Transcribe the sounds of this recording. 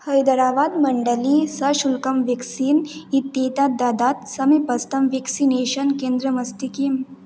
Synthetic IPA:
hɐjd̪ɐɾaːʋaːd̪mɐɳɖəlisɐʃulkɐmʋeksiːnit̪ːeːt̪aːd̪aːd̪aːt̪sɐmepɐst̪ɐmʋeksineːʃənkẽːnd̪ɾəmɐst̪ikim

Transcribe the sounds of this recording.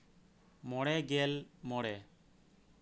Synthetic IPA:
mɔɽɛɡɛlmɔɽɛ

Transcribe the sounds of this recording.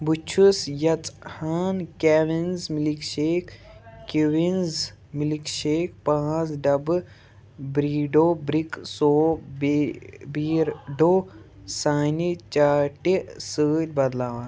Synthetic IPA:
but͡ʃʰusjɐt͡sʼhaːnkɛːʋinzmilikʃeːkː | kiʋinz | milikʃeːkpãːsɖɐb | bɾiːɖoːbɾiksoːbbiːɾɖoː | saːnit͡ʃaːʈisəːtʲbɐd̪laːʋan

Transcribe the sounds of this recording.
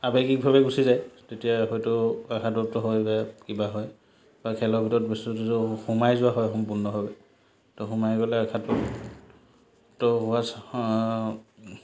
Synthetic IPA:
abekik̚bʱabɛɡusizajtetijaxɔjtʊakʰatɔtɔɦɔjbakibaɦɔj | bakʰɛlɔbʱitɔɹɔtbistutuzoxumajzʊwaɦɔjxɔmpunɔɦɔbɛ | tɔxumajɡɔlɛakʰatɔ | tɔɦʊwas

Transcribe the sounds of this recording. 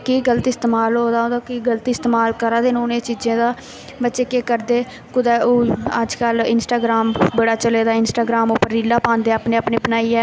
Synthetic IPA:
kiːɡəlt̪iɪst̪eːmaːlɦoːd̪aːɦoːd̪aːkiːɡəlt̪iːɪst̪eːmaːlkəɾaːd̪eːnũʊnẽːt͡ʃiːd͡ʒẽːd̪aː | bətːʃeːkeːkəɾd̪eː | kʊd̪aːoːəd͡ʒkəlɪnsʈaːɡɾaːmbəɽaːt͡ʃəleːd̪aːɪnsʈaːɡɾaːmoːpəɾːiːlaːpãːnd̪eːaːpnẽːapneːpənaːiːɛː

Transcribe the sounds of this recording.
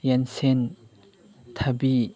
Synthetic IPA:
jɛnsɛn | t̪ʰabi

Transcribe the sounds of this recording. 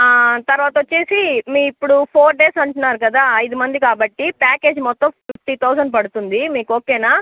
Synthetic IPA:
t̪ɐɾʋaːt̪ɐʋot͡ʃːeːsimiːipːuɽupʰoːɾɖeːsɐɳʈunːaːɾukɐd̪aːɐjd̪umɐnd̪ikaːbɐʈːipaːke̞ːd͡ʒmɔt̪ːɐmpʰip̚ʰʈit̪ʰɐwsɐɳɖpɐɽut̪und̪imiːkoːkeːnaː

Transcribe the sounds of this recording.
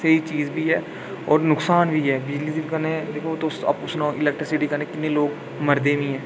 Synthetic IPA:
seiːt͡ʃiːzbʱiːɦɛː | ɔːɾnʊksaːnbʱiːɦɛːbɪd͡ʒliːsɪbkəɾnẽd̪eːkʰot̪osə̰pʊsnãːʔɪlɛːk̚ʈɾɪsɪʈiːkəɾneːkɪt̪nẽːloːɡ | məɾd̪eːʋĩːɦɛ̃ː

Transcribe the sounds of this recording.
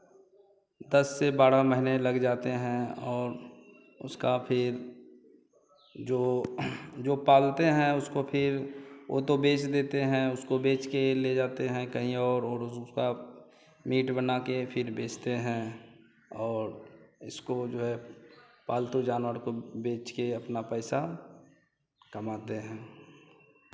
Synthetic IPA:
d̪əsːebaːɾaməɦineləɡd͡ʒaːt̪eɦɛ̃ɔːɾ | ʊskapʰɪɾ | d͡ʒoː | d͡ʒoːpaːlt̪eɦɛ̃ʊskopʰɪɾʔo̰t̪obeːt͡ʃd̪eːt̪eɦɛ̃ʊskobeːt͡ʃkeled͡ʒaːt̪eɦɛ̃kəɦĩɔːɾɔːɾʊska | miːʈbənakepʰɪɾbeːt͡ʃt̪eɦɛ̃ | ɔːɾɪskod͡ʒoːɦɛpaːlt̪od͡ʒaːnwəɾkobeːt͡ʃkeɐpnapɛɪsa | kəmaːt̪eɦɛ̃ː

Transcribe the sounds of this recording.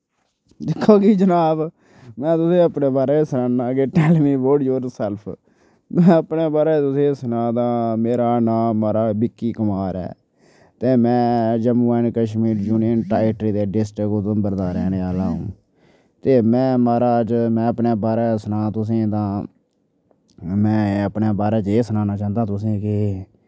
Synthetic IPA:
d̪ɪkʰːoːkiːd͡ʒənaːb | mɛ̃ːt̪ʊsẽːəpneːbaːɾeːsənãːnaːkeːʈɛːlmĩːboːɖd͡ʒoːɾsɛlpʰ | mɛ̃ːəpneːbaːɾeːt̪ʊsẽːsənãːd̪ãːmeːɾaːnaːaːɾaːbɪkːiːkəmaːɾɛ̰ː | t̪eːmɛ̃ːd͡ʒəmuːaːɪnkəʃmiːɾd͡ʒuːniənʈaːɪʈɾiːd̪eːɖɪsʈɾkot̪õːbəɾd̪aːɾɛːneːaːlaːɦṵ̃ː | t̪eːmɛ̃ːmaːɾaːt͡ʃmɛ̃ːəpneːbaːɾɛːsənãːt̪ʊs̬ẽːt̪ãː | mɛ̃ːəpneːbaːɾɛːt͡ʃeːsənaːnaːt͡ʃãːnd̪ãːt̪ʊsẽːkɪ

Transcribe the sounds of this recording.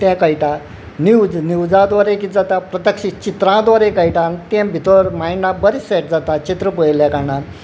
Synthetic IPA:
t̪ɛ̃kajʈa | niwd͡zniwd͡zãd̪ʋaɾẽkid͡zat̪apɾət̪əkʂit͡ɕit̪ɾãd̪ʋaɾẽkajʈant̪ɛ̃bʱit̪əɾmajnãbəɾisɛʈ̚d͡zat̪at͡ɕit̪ɾəpəjljɛ̃kanãn

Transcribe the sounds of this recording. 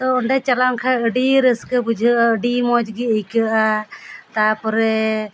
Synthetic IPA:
t̪ɔɔɳɖɛt͡ʃalankʰaəɖiɾəskəbud͡ʒʱəʔaəɖimɔd͡ʒɡiəjkəʔat̪apɔɾɛ

